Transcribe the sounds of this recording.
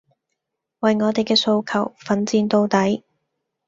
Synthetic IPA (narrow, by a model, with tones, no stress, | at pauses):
wɐ˨jŋɔː˨˧t̪e˨jkɛː˧so˧wkʰɐ˨˩wfɐ˨˥nt͡siː˧nt̪o˧wt̪ɐ˨˥j